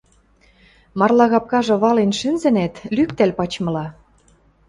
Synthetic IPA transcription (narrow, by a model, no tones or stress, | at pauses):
mɑrlɑɣɑp̚kɑʒɤ̆βɑlenʃynzɘ̆næt̪lykt̪ælʲpɑt͡ɕmɤ̆lɑ